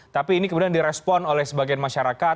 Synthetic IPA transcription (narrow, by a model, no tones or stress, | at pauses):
t̪apiːnikəmudiandiɾɛspɔnolɛhsəbaɡijanmaʃaɾaka